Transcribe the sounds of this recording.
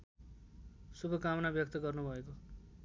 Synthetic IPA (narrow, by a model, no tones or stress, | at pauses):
subʱʌkamʌnabjʌk̚t̪ʌɡʌrnubʱʌeko